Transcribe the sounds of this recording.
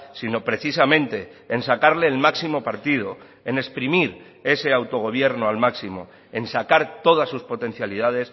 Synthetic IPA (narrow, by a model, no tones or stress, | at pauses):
sino̞pɾe̞θisamẽ̞nt̪e̞ːnsakaɾle̞ːlmaksimo̞paɾt̪ið̞o | ene̞spɾimiɾ | e̞se̞awt̪o̞ɣ̞o̞β̞je̞ɾnoalmaksimo̞̰ | e̞nsakaɾt̪o̞ð̞asːuspo̞t̪e̞n̟θjalið̞að̞e̞s